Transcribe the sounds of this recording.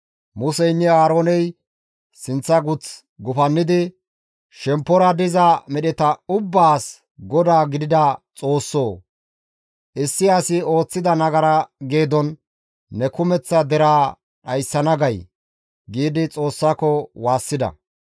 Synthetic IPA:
mʊsɛjnːɛaːɾo̞ːnɛj | sɪnt͡sːɐɡʊt͡s | ɡʊfɐnːɪd̪ɪ | ʃɛmpːɔɾɐd̪ɪzɐmɛɗɛt̪ɐʊbːaːs | ɡɔd̪aːɡɪd̪ɪd̪ɐt͡sʼo̞ːsːoː | ʔɪsːɪɐsɪo̞ːt͡sːɪd̪ɐnɐɡɐɾɐɡe̞ːd̪ɔnː | ɛkʊmɛt͡sːɐd̪ɛɾaː | ɗɐjsːɐnɐɡɐj | ɡiːd̪ɪt͡sʼo̞ːsːakɔwaːsːɪd̪ɐ̰

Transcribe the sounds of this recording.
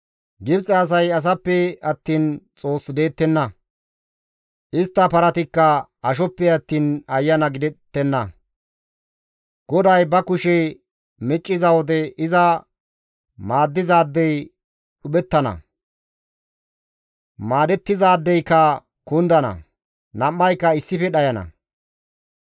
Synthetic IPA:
ɡɪbt͡sʼɛːs̬ɐjɐs̬ɐpːɛɐt̪ːiːnt͡sʼo̞ːsːd̪e̞ːt̪ːɛnːɐ | ʔɪst̪ːɐpɐɾɐt̪ɪkːɐɐʃɔpːɛɐt̪ːiːnɐjːɐnɐɡɪd̪ɛt̪ːɛnːɐ | ɡ̥ɔd̪ɐjbɐkʊʃɛ | mɛt͡ʃʼːɪzɐwɔd̪ɛɪzɐ | maːd̪ːɪzaːd̪ːɛj | ɗʊɓɛt̪ːɐnɐ̰ | maːd̪ɛt̪ːɪzaːd̪ːɛjkːɐ | kʊnd̪ɐnɐ̰ | nɐmːɐjkːɐɪsːɪfɛɗɐjɐnɐ̰

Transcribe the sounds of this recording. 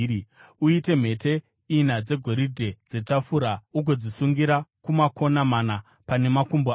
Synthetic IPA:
uite̞m̤e̞te̞ | inad͡ze̞ɡʱo̞ɾidʱe̞d͡ze̞tafuɾauɡʱo̞d͡zisuŋɡiɾakumako̞namana | pane̞makumbo

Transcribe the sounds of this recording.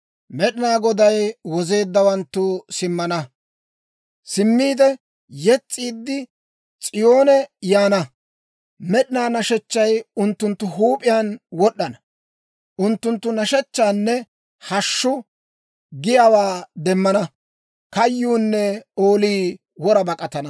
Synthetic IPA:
mɛɗɪnaːɡɔd̪ɐjwɔze̞ːd̪ːɐwɐnt̪ːʊsɪmːɐnɐ | sɪmːiːd̪ɛ | jɛt͡sʼːiːd̪ːɪ | t͡sʼɪjo̞ːnɛjaːnɐ | mɛɗɪnaːnɐʃɛt͡ʃːɐjʊnt̪ːʊnt̪ːʊɦuːpʼɪjaːnwɔɗːɐnɐ | ʔʊnt̪ːʊnt̪ːʊnɐʃɛt͡ʃːaːnːɛ | hɐʃːʊ | ɡɪjawaːd̪ɛmːɐnɐ | kɐjːuːnːɛo̞ːliː | wɔɾɐbɐkʼɐt̪ɐnɐ

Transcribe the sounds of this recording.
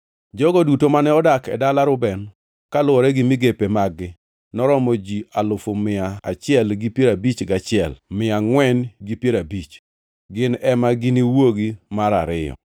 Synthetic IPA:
d͡ʒɔɡɔdutomanɛɔdakɛdalaɾʊbɛn | kalʊɔɾɛɡɪmɪɡepemaɡːɪ | nɔɾɔmɔd͡ʒialʊfomɪa̰ːt͡ʃɪɛlɡipjeɾabit͡ʃɡat͡ʃɪɛlmɪaŋwɛnɡipjeɾabit͡ʃ | ɡɪnɛmaɡɪniwoɡimaɾa̰ɾɪ̰jɔ̰

